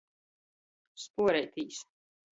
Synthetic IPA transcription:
spuɔɾɛjt̪iːs

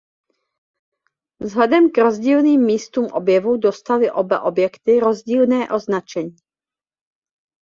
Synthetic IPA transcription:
vzɦlɛdɛmkɾo̞zɟiːlniːmːiːst̪uːmʔobjɛvudo̞st̪alɪʔo̞ba̰ʔo̞bjɛkt̪ɪɾo̞zɟiːlnɛːʔo̞znat͡ʃɛɲiː

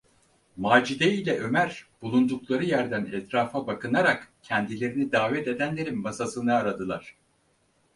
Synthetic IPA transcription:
maːd͡ʒid̪eilʲɛʔø̞mæɾb̥ulˠund̪uklˠaɾɯjæɾd̪ænɛt̪ɾaːfabakʰɯnaɾakcʰɛnd̪ilʲe̞ɾinid̪aːvɛt̪e̞d̪ænlʲe̞ɾinmasasɯnɯːɾad̪ɯlˠaɾ̥

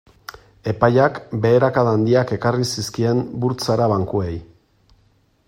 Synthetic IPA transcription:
e̞pajakbe̞ːɾakaðand̪iake̞karisiskie̞mbuɾt͡saɾaβaŋkue̞j

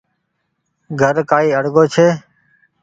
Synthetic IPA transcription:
ɡʱəɾkaːiːəɽɡoːt͡ʃʰeː

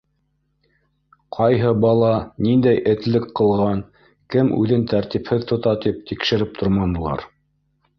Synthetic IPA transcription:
qʰɑjɦɤbɑlˠɑnind̪æjʔɘ̆t̪lɘkqːɤ̆lˠʁɑn | kɘmʉ̰ðɘnt̪æɾt̪iphɘðt̪ŏt̪ɑt̪ip̚t̪ikʃɘ̆ɾɘp̚t̪ʰŏɾmɑnɤ̆lˠɑ̰ɾ

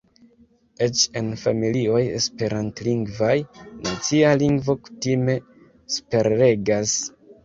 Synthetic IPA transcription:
e̞t͡ʃe̞nfamilio̞jḛspe̞ɾantliŋɡvajnat͡sialiŋɡvo̞ku̥time̞ | spe̞ɾe̞ɡas

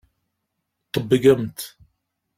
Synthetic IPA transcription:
t̪ˤːəbːəɡæmt̪

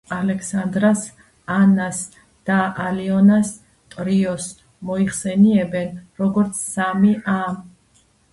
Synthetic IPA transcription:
alɛkʰsand̪ɾas | anas | d̪̥aaliɔnas | t̪ʼɾiɔs | mɔiχsɛniɛbɛnɾɔɡɔɾt̪sʰsamiʔam

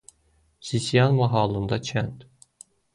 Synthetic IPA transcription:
sisijɑnvɑɦɑːlˠɯnd̪ɑt͡ʃʰænt̪

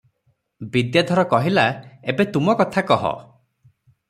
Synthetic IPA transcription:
bid̪jad̪ʱɔɾɔkɔɦilaebet̪umɔkɔt̪ʰakɔɦɔ̰

